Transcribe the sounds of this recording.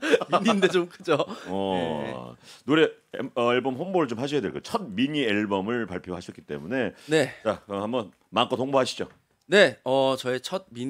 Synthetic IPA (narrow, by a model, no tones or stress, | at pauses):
mindet͡ɕomk͈ɯd͡ʑoʌ | noɾe̞ | ʌeɭbʌmɦʌnboɾɯɭt͡ɕomhaɕ̬ʰʌjadweɭk͈ot͡ɕʰʌd̚miɲieɭbʌmɯɭpaɭpʰjoɦaɕʰʌtk͈i̥t͈e̞̰mune̞ne̞t͡ɕaʌhambʌn | maŋk͈otoŋboɦaɕʰid͡ʑo | ne̞ʌt͡ɕʌet͡ɕʰʌd̚mi